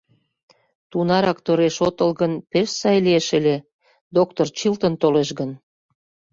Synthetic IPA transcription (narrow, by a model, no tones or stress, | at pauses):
t̪unɑɾɑkt̪oɾeʃot̪ɤlɣənpeʃsɑjlieʃəlʲe | d̪ok̚t̪ort͡ɕilt̪ə̆nt̪oleʃɣən